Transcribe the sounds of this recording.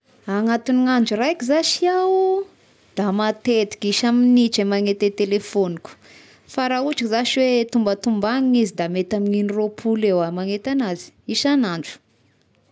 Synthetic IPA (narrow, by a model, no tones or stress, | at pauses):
aŋat̪uniŋaɳd͡ʒurajkizaʃiaw | d̪̥amat̪et̪i̥kiʃaminit͡ʃemaŋet̪et̪elefoniku̥ | faɾauʈ͡ʂikizaʃiwet̪umbət̪umbaŋiɲizid̪amet̪amininiropʰulewamaŋet̪anazi̥iʃanaɳd͡ʒu̥